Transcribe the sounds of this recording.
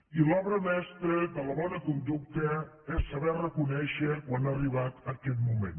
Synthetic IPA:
ilɔβɾəmɛst̪ɾəd̪ələβɔnəkund̪uk̚t̪ə | ɛsːəβɛrəkunɛʃəkwanariβat̪əkɛt̪̚mumḛn

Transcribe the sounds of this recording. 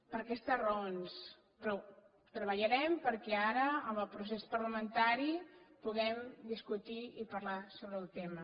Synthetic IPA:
pəɾkɛst̪ərəons | pɾɔ | t̪ɾəβəʎəɾɛmpəɾkɛaɾəəməlˠpɾusespəɾləmənt̪aɾipuɣɛmd̪iskut̪iipəɾlasoβɾəlˠt̪emə

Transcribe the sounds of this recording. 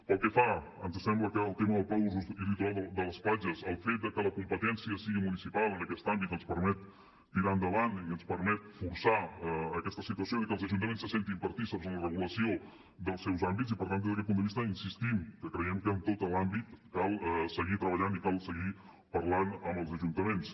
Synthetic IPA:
pəlˠkɛfaənzsɛmbləkəːlˠt̪eməðəlˠpawzuzilit̪uɾalˠd̪əd̪ələspaʒəzəlˠfet̪̚d̪əkələkumpət̪ɛnsiəsiɣimunisipalˠənəkɛst̪ambit̪ənspəɾmɛt̪ː | iɾand̪əβaniənspəɾmɛt̪̚fuɾsaəkɛst̪əsit̪uəsioiðəkəlˠzəʒunt̪əmensːəsent̪imbəɾt̪isəɾzənlərəɣ̞uləsio | d̪əlˠsɛwzambit̪zipəɾt̪and̪ezðəkɛt̪pund̪əβist̪əinsist̪imkəkɾəjɛmkəːnt̪ot̪əlambit̪kalˠsəɣit̪ɾəβəʎanikalˠsəɣi | pərlanəmbəlˠzəʒunt̪əmens

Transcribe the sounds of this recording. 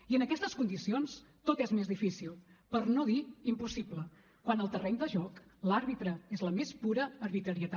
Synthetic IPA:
iənəkɛst̪əskund̪isions | t̪ot̪ezmezðifisilˠpəɾnoðiimpusiblə | kwanəlˠt̪ərɛɲd̪əʒɔklaɾβit̪ɾəezləmespuɾəːɾβit̪ɾəɾiət̪a

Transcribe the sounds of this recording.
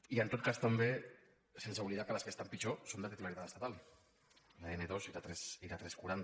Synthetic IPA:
ient̪ot̪̚kast̪ambe | sensauβliðakalaskest̪ampit͡ʃosond̪at̪et̪imaɾit̪at̪est̪at̪al | laeneðosiɾat̪ɾesiɾat̪ɾeskuɾant̪

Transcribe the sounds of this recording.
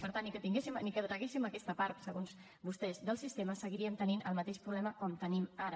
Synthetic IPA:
pəɾt̪anːikət̪iŋɡesimnikət̪əɣesiməkɛst̪əpaɾt̪səɣonz | bust̪ɛzðəlˠsist̪eməsəɣiɾiəmt̪əninʔəlˠmət̪eʃpɾuβlɛməkɔmt̪ənimaɾə

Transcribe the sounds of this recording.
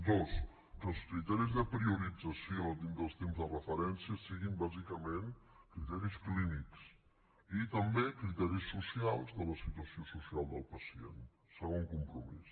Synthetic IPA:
d̪os | kəlˠskɾit̪ɛɾizðəpɾiuɾid͡zəsiod̪ind̪əlˠst̪emzðərəfəɾɛnsiəsiɣimbazikəmẽnkɾit̪ɛɾiskliniks | it̪əmbekɾit̪ɛɾisːusialˠzðələsit̪uəsiosusialˠd̪əlˠpəsiḛn | səɣ̞oŋkumpɾumḭs

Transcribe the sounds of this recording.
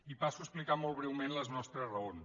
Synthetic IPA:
ipasuəsplikamolˠβ̞ɾɛwmenləznɔst̪ɾəzrəon

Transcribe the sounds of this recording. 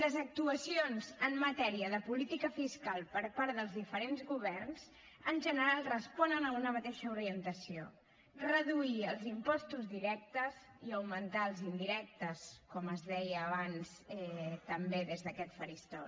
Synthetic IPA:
ləzək̚t̪uəsionzəmːət̪ɛɾiəðəpulit̪ikəfiskalˠpəɾpaɾðəlˠzðifəɾenzɣuβ̞ɛrnz | ənʲʒənəɾalˠrəspɔnənəunəmət̪ɛʃəuɾiənt̪əsio | rəðuiəlˠzimpɔst̪uzðiɾɛk̚t̪əz | iəwmənt̪aəlˠzind̪iɾɛk̚t̪əskɔməzðɛjəːβansɛt̪əmbeðezðəkɛt̪fəɾist̪ɔ

